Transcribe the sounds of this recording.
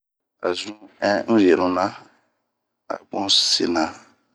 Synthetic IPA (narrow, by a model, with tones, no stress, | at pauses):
a̰˨zũ˦ɛ̃˦je˨ɾũ˨nã˦ | a̰˨ɡ͡bɔ̃˦se˦nã˨